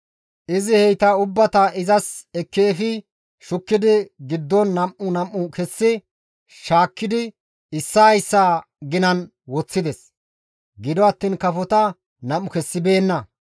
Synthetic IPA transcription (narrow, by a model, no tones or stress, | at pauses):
ʔɪzɪhɛjt̪ɐʊbːɐt̪ɐʔɪzɐsɛkːeːfɪ | ʃʊkːɪd̪ɪɡɪd̪ːɔnːɐmːʊnɐmːʊkɛsːɪ | ʃaːkːɪd̪ɪ | ɪsːɐːjsːaː | ɡɪnɐn | wɔt͡sːɪd̪ɛs | ɡɪd̪ɔɐt̪ːiːnkɐfɔt̪ɐ | nɐmːʊkɛsːɪbe̞ːnːɐ